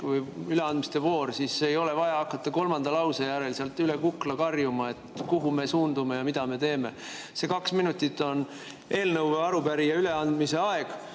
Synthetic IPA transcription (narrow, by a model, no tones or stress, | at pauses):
vɯjyle̞ɑnd̪̚mist̪e̞vo̞ːɾsisːeːjo̞le̞vɑjɑɑkːˑɑt̪ːˑɑko̞lmɑnd̪̥ɑlɑwsejæɾe̞lseɑlt̪ːˑyle̞kukːlɑkɑrjumɑe̞t̪kuɦume̞suːnd̪ume̞jɑmid̪̥ɑme̞t̪e̞ːme̞ | se̞kɑksminut̪ʲːˑit̪ːˑo̞n | e̞ːlnɤwveɑɾupæɾijɑyle̞ɑnd̪mise̞ɑe̞ɡ̥